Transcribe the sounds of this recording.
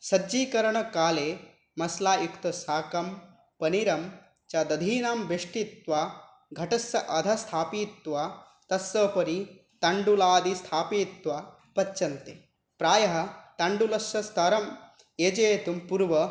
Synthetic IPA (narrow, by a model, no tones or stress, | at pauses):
sɐd͡ʒiːkɐɾɐɳɐkaːleː | mɐslaːjukt̪ɐsaːkɐm | pɐniɾɐm | t͡ʃɐd̪ɐd̪ʱiːnaːmbʱeʂʈit̪ʋaː | ɡʱɐʈɐsɐʔɐd̪ʱɐst̪ʰaːpit̪ʋa | t̪ɐsːɐpɐɾi | t̪ɐɳɖulaːd̪ist̪ʰaːpiːt̪ʋa | pɐtːt͡ʃɐnt̪e | pɾaːjɐɦɐt̪ɐɳɖulɐʃɐst̪ʰɐɾɐm | eːd͡ʒeːt̪umpuɾʋɐ